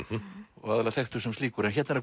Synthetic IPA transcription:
ɔ̰ɣaðɛlaθɛxt̪ʏsɛmst̪iːkʏɾɛnçɛt̪nɛɾa

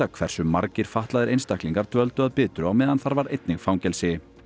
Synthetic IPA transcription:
akʰvɛr̥sʏmːa̰ɾcɪɾ̥faht̪laðɪɾejnst̪ahkliŋkaɾ̥t̪œlt̪ʏaðpɪːt̪ɾʏawmɛːðanθaɾvaɾejt̪nɪɣfawɲcɛlsɪ

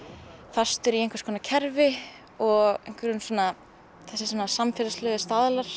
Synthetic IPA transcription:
fast̪ʏɾiejŋkvaɾskʰɔːnacʰɛɾvɪ | ɔɣejŋ̥kvɪɾʏnsɔːna | θɛsːɪsɔːnasamfɛlaslœːɣʏst̪aːðalaɾ̥

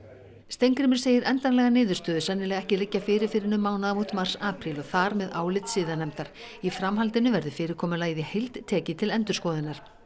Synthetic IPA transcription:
st̪ejŋkɾɪmɪɾ̥seːjɪɾɛnt̪anlɛɣanɪːðʏɾst̪œːðʏsɛnːɪlɛːɣɛhcɪlɪcːafɪːɾɪɾfɪɾɪnʏmːaːwnaðamut̪mar̥saːpɾilɔθaɾmɛðaːwlɪt̪sɪːðanɛmt̪aɾ̥ | ifɾamhalt̪ɪnʏvɛɾðʏfɪːɾɪɾ̥kʰɔːmʏlaːjðɪhejlt̪tʰːɛːcɪt̪ʰɪlɛnt̪ʏɾ̥skɔːðɪnaɾ̥

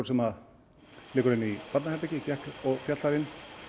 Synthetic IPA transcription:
ɾ̥sɛmað | lɪːkʏɾɪnːipat̪nahɛɾp̪ɛcɪcɛhkɔɣfjat̪laɾɪnː

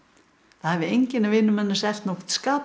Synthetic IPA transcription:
θahɛvɪejɲcɪnːavɪːnʏmɛnːasɛft̪nɔxt̪skaː

